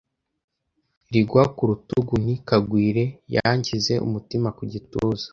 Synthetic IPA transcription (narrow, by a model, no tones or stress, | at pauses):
ɾiɡwakuɾutuɡun̥ikaɡwiːɾe̞ja̰ɲcize̞ʔṵmutimakuɟituːzḁ